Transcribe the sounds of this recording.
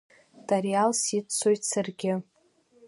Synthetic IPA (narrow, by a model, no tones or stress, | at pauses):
d̥arjalsitt͡sʰojtʰsarɡʲɪ